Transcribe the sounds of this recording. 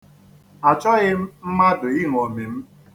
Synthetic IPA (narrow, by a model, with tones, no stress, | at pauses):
a˨t͡ʃɔ˦ɣɪ˦m̩˦ma˦dʊ˨i˦ŋ˨o˨mi˨m̩˦